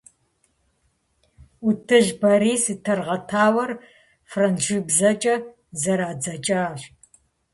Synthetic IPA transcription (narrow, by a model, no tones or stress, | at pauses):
utʰɨʒbɐɾiːsɨtʰɐrʁɐtʰaːwɐr | frɐnʒɨbzɐt͡ʃʼɐ | zɐɾaːd͡zɐt͡ʃʼaːɕ